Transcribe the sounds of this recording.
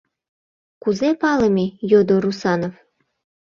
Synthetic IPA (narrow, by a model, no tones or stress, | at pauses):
kuzepɑlɤmʲijod̪oɾusɑnov